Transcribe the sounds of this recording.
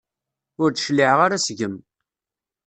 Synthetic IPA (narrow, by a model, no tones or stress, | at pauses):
ʊɾt͡sʃliʕʁaɾasʝəm